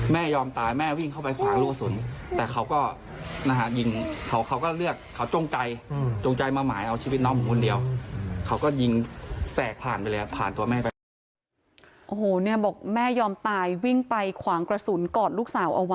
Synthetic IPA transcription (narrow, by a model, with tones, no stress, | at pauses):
mɛː˥˩jɔː˧mt̪aː˧jmɛː˥˩wi˥˩ŋkʰa˥˩wpa˧jkʰwaː˩˦ŋluː˥˩ksu˨˩˦nt̪ɛː˨˩kʰa˦˥wkɔː˥˩ | na˦˧ɦa˧˩ji˧ŋkʰa˦˥wkʰa˦˥wkɔː˥˩lɯ˥˩ək̚ʰːa˦˥wt͡ɕo˧ŋt͡ɕa˧jt͡ɕo˧ŋt͡ɕa˧jmaː˧maː˩˦jʔa˧wt͡ɕʰiː˧i˦˥nɔː˦˥mɯ˨˩˦kʰːndi˧əwkʰa˦˥wkɔː˥˩ji˧ŋsɛː˨˩k̚pʰaː˨˩npa˧jlɤː˧a˧˩pʰaː˨˩nt̪u˧ɐmɛː˥˩pa˧ | ʔoː˨˩hoː˨˩ni˥˩ɐbɔː˨˩k̚mɛː˥˩jɔː˧mt̪aː˧jwi˥˩ŋpa˧jkʰwaː˩˦ŋkɾa˧su˨˩˦nkɔː˨˩t̪̚luː˥˩k̚saː˨˩˦wʔa˧wa˦